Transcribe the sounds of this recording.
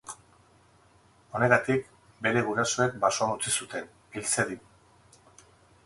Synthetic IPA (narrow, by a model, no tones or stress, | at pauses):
o̞ne̞ɣat̪ik | be̞ɾe̞ɣ̞uɾaso̞e̞k̚basoanut͡sisut̪e̞n | ilt͡seði